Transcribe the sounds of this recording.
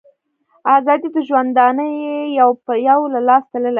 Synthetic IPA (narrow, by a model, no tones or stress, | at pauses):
ɑzɑd̪it̪əʒwand̪ɑnəjeejawpəjawlalɑst̪aləla